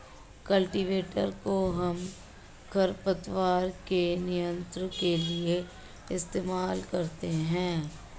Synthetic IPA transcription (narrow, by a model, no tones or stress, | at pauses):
kɐlʈiʋeːʈəɾkoɦɐm | kʰɐɾpət̪waːɾkenɪijə̃nt̪ɾkelie | ɪst̪eːmaːlkɐɾt̪eɦɛ̃ː